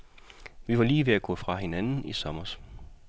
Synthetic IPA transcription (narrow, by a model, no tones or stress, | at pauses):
ʋiʋɑ̈liːʋe̝æɡ̥ɔ̰̽ːfʁɑ̈ɦe̝nænn̩isɒ̽mɐs